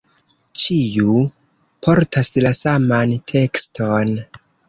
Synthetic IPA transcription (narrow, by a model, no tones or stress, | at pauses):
t͡ʃiju | pʰo̞ɾtʰaslasamantʰe̞kstʰon